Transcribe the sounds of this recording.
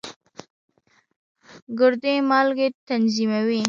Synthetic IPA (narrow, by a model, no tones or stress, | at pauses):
ɡʊɾd̪emɑlɡet̪anzimawi